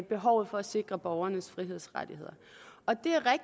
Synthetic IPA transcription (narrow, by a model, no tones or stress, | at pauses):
b̥e̝ɦɒʊð̞̩ˠfɒ̽æse̝ɡ̥ʁɐb̥ɒʊɐnəsfʁiɦe̝ð̞̰ˠsʁɑd̥ihe̝ð̞̰ˠɐ | ɒ̽d̥e̝æɐʁɛɡ̥̚